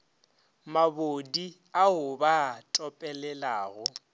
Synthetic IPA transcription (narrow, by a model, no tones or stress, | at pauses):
mabodi | aʊbatʼɔpʼɛlɛlaːɣʊ